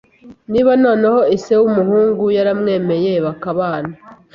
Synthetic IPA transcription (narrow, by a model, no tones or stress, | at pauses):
niːβano̞ːneho̞isewumuhuːŋɡujaɾamŋe̞ːme̞je̞βakaβaːna